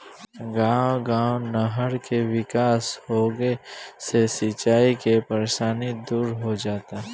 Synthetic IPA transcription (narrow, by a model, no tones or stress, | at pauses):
ɡãːwɡãːwnəɦəɾkeʋɪkaːshoɡesesɪt͡ʃaːikepəɾeːʃaːnid̪uːɾɦod͡ʒaːt̪a